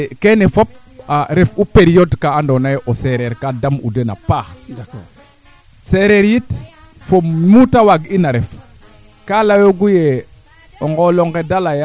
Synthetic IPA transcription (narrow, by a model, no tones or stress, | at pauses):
kenefop̚ | aɾefupeɾijodkaːndonajʔoseɾeɾkadamṵdena̰pa | seɾeɾjit | fommutawaɡinaɾef | kalajoɡuje | oŋɡoloŋɡedalaja